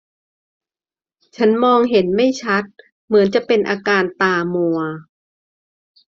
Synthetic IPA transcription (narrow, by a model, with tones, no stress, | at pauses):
t͡ɕʰa˦˥nmɔː˧ŋɦe˩˦nma˥˩jt͡ɕʰa˦˥t̪̚ | mɯ˩˦nt͡ɕa˨˩ʔpe˧nʔaː˧kaː˧nt̪aː˧mu˧ɐ